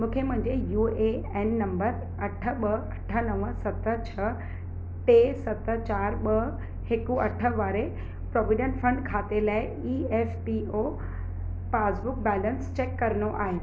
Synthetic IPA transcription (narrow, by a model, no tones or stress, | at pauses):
mũːkʰemʊ̃ɦɪ̃ɲd͡ʑejuːe | enːɐ̃mbəɾ | ɐʈʰə̆ɓəɐʈʰə̆nəʋəsɐt̪ə̆t͡ɕʰɐ | ʈeːsɐt̪ə̆t͡ɕaːɾɓəɦ | hɪkuɐʈʰə̆ʋaːɾe | pɾɔːʋɪɖə̃nʈfɐ̃ɳɖkʰaːt̪elaːɪ | iːefpio | paːsbʊk̚bɛːlənst͡ɕeːkːɐɾənoʔa̰ːɦeː